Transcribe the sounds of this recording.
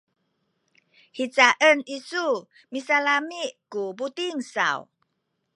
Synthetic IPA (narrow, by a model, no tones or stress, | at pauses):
hit͡saʔənisu | misalamiʔkubutiŋsa̰w